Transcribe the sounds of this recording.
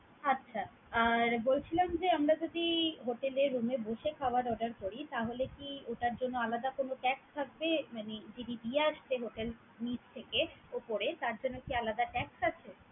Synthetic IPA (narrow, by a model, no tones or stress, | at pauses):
atːɕʰa | aɾbolt͡ɕʰilamd͡ʑeamɾad͡ʑod̪iɦoʈeleɾːumeboʃekʰaoaɾɔɖaɾkoɽit̪aɦolekioʈaɾd͡ʑonːoalad̪akonoʈɛkst̪ʰak̚bemaned͡ʑiɖibieaʃteɦoʈel | nit͡ɕt̪ʰekeopoɾet̪aɾd͡ʑonːokialad̪aʈɛksat͡ɕʰe